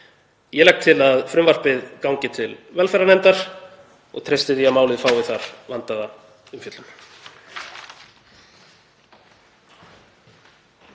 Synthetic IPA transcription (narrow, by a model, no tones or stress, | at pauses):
jɛlɛk̚t̪ʰɪlaðfɾʏmvar̥pɪðkawŋcɪt̪ʰɪlvɛlfɛɾanɛnt̪aɾ̥ | ɔ̰ɣt̪ʰɾejst̪ɪθiamaːwlɪðfaːwvɪðθaɾ̥vant̪aða | ʏmfjʏt̪lʏn